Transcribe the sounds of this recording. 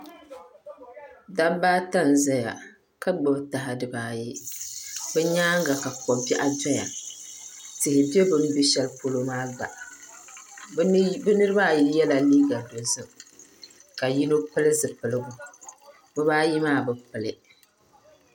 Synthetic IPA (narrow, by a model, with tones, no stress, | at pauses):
da˦baː˦ta˦˨n˨za˦ja̰˨ | ka˦ɡ͡bɨ˨bta˨ɦa˨dɨ˨baː˦˨ji˦ | bɛ˦ɲaː˦ŋ˦ɡa˨ka˨kɔ˨bi˦ʔa˦d͡ʒɔ˦ja̰˨ | tɪ˨hɪ˨be˦bɨ˨n˦bi˦ʃɛ˦lpo˦lo˦maː˦ɡ͡ba˨ʔ | bɨ˦nɨ˦ɾɨ˦baː˦˨ji˦jɛ˦la˨liː˦ɡa˨do˨zɨ˦m | ka˨ji˦no˦pɨ˦lɨ˦zɨ˨pɨ˨lɨ˦ɡʊ˨ | bɨ˦βaː˦ji˦maː˦˨bɨ˨pɨ˨lɪ˦